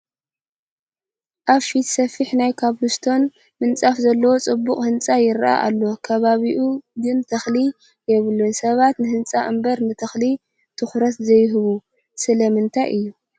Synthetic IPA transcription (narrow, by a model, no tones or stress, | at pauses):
ʔaβfit̪sɐfiħnajkʰaβhust̪ʰo̞n | mɨnt͡sʼafzɐlːɐwo̞t͡sʼɨbːuχʼhɨnt͡sʼajɪɾʔa̰ʔa̰lːo̞kʰɐβaβiʔuɡɨnt̪ʰɐxli | jɛβɨlːunsɐβat̪nɨhɨnt͡sʼaʔɨmbɐɾnɨt̪ʰɐxli | t̪ʰɨxɾɐt̪zɐjːɦɨβu | sɨlɐmɨnt̪ʰajʔɨjːu